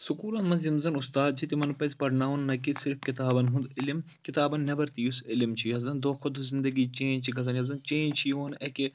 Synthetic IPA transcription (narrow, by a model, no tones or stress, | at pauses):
sukuːlɐnmɐnzimzɐnust̪aːd̪̚t͡ʃʰit̪imɐnpɐzʲpɐɾɳaːʋɐnːɐkisɪɾfkit̪aːbɐnɦũnd̪ɪlim | kit̪aːbɐnːɐbɐɾt̪ijusɪlimt͡ʃʰiɐzɐnd̪oːkʰɐd̪uzind̪ɐɡiːt͡ʃẽːnt͡ʃʰiɡɐzɐnɐzɐnt͡ʃẽːnt͡ʃʰioːnɐke